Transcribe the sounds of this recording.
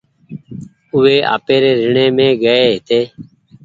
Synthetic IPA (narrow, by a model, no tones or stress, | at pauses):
ʊʋeːʔa̰ːpeːɾeːɾɪɳẽːmẽːɡəeːɦɪt̪eː